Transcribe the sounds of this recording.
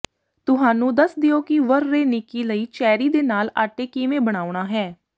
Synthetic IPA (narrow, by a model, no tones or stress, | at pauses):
t̪ʊɦaːnũːd̪əsd̪ɪjoːkɪʋəɾːeːnɪkiːləiːt͡ʃɛːɾiːd̪eːnaːlaːʈeːkiːmẽːbəɽ̃aːʊɽ̃aːɦɛː